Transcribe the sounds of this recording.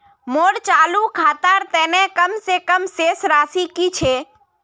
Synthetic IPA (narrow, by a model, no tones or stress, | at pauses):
moːɾt͡ʃaːlukʰaːt̪aːɾt̪ɛːnẽkəmsekəmseːsɾaːsikit͡ʃʰeː